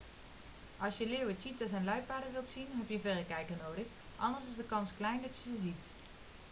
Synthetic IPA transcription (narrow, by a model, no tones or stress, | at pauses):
ʔɑlˠsjəlɪːwətitəzɛjnlɛɥpaːdəʋɪlˠtsinɦɛpjəvɛdəkɛjkənowdəx | ʔɑ̰ndəɹsɪzdəkɑnsklɛjndɑtjəzəzit